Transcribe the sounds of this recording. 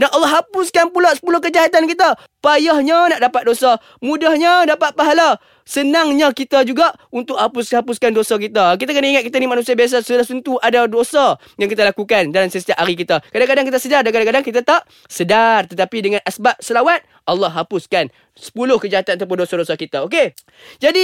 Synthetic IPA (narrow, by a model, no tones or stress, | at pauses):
danʔɑlːɑɦapʊskanpulasə̥pulʊhkəd͡ʒaɦat̪ankit̪a | pajahɲanaʔdapat̪̚dosa | mũdahɲadapat̪̚paɦala | sənaŋɲakit̪ad͡ʒuɡaʔunt̪ʊʔ̚hapʊshapʊskandosak̬it̪ak̬it̪akənaiŋat̪̚kit̪animanusiabias̬asəlahsənt̪uʔadadosa | jaŋkit̪alakukandalamsəst̪iaʔaɾik̬it̪akadaŋkadaŋkit̪asədardankadaŋkadaŋkit̪at̪aʔ̚ | sədart̪ət̪apidəŋãnʔasbap̚səlawat̪̚ | ʔɑlːɑhɦapʊskan | sə̥pulʊhkəd͡ʒaɦat̪anat̪awp̬ʊndosadosakit̪aok̬e | d͡ʒadi